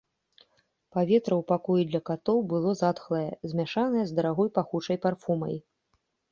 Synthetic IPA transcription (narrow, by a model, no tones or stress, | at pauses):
pavʲɛt̪ɾɐwpakɔjud̪lʲɐkat̪ɔwbɨlˠɔzat̪xlˠɐjɛzʲmʲaʂanɐjɐzd̪ɐɾaɣɔjpaxut͡ʂɐjparfumɐ̰j